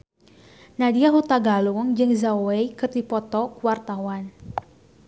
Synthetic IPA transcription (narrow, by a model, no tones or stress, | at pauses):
nadiaɦut̪aɡaluŋd͡ʒɨŋzaweikɨrdipɔt̪ɔkuwart̪awan